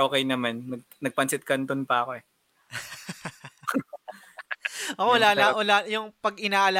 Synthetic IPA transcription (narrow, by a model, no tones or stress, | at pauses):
oːkɛjnɐmanːɐɡ̚nɐɡ̚pɐnsɪt̪̚kɐnt̪ʊnpɐɐko̞ɛ | ʔɐkowɐlaːnɐwɐlaːjʊŋpɐɡɪnaːʔɐla